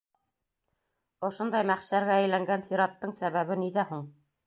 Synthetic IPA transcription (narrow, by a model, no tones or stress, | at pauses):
ŏʃond̪ɑjmæχʃæɾɡææjlæŋɡænsiɾɑt̪ːɤɴsæβæβɘniðæhuɴ